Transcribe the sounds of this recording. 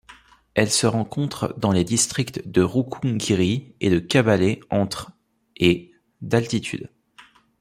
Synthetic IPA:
ɛlsəʁɑ̃kɔ̃t̪χd̪ɑ̃led̪ist̪χikt̪d̪əʁukʰũɡiʁiḛd̪əkʲabaleɑ̃t̪χ | e | d̪alt̪it̪ʰy̰d̪

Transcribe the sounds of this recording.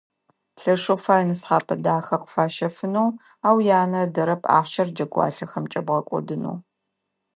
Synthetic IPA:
ɬɐʂofaːjnɨsħaːpʰɐdaːxɐqə̥faːʃɐfɨnɐw | aːwjaːnɐdɐɾɐpʰʼa̰ːχʷʃɐrd͡ʒɐɡʷʼɑ̰ːɬɐxɐmt͡ʃʼɐbʁɐkʷʼɔ̰dɨnṵː

